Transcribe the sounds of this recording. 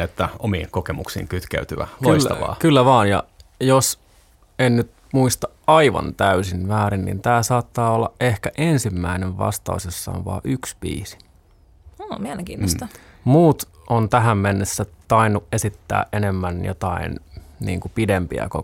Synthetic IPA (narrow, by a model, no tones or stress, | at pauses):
et̪ːæomiːŋkokemuksḭːŋkyt̪kḛyt̪yʋæ̰loilst̪ɑʋɑ̰ːkylːæʋɑːnjɑ̰jos | ennyt̪ | muist̪ɑ | ɑiʋɑ̰nt̪æysinmæːɾinnḭnt̪æːsɑːt̪ːɑːolːɑʔʔehkæʔensimːæineʋʋɑ̰st̪ɑ̰usesːɑ̰o̰nʋɑ̰ːʔyksbḭːsi̥ | oːmiæleŋkiːnost̪ɑmuːt̪ʔont̪æɦæmmenːesːæt̪ɑinːuʔesit̪ːæ̰ːʔʔenemːænjo̰t̪ɑḭnnḭːŋkupidempḭæ̰ko